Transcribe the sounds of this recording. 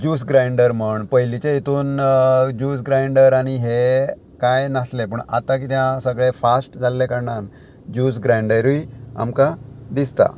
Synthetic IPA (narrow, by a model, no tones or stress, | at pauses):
d͡ʑuːs̬ɡɾajɳɖəɾməɳpəjlit͡ɕeit̪uːnd͡ʑuːs̬ɡɾajɳɖəɾaɽ̃iɦe | kajnaslepəɳa̰t̪ãk̬it̪jãsəɡɭefasʈd͡zalːekəɾɳan | d͡ʑuːs̬ɡɾajɳɖəjɾuia̰mkad̪ist̪a̰